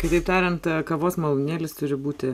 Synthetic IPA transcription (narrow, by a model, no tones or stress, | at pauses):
kɐɪt̪ɐɪpt̪ɑːɾʲɛnt̪kɐʋoːsmɐlˠʊnʲeːlʲɪst̪ʊɾʲɪbuːt̪ʲɪ